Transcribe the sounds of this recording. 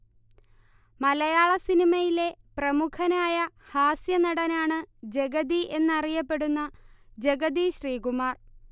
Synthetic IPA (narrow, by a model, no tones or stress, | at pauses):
mɐlɐjaːɭɐsinimɐjile̞prɐmukʰɐnaːjɐ | haːsjɐnɐɽɐnaːɳɨd͡ʑe̞ɡɐd̪iʔe̞nːɨɐrijɐpːe̞ɽunːɐd͡ʑe̞ɡɐd̪iɕriːɡumaːr